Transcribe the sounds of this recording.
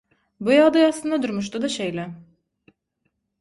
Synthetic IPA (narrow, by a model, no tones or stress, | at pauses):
bujalˠd̪ɯjaslˠɯnd̪ad̪uɾmuʃ̬t̪ʰud̪aʃejlʲɛ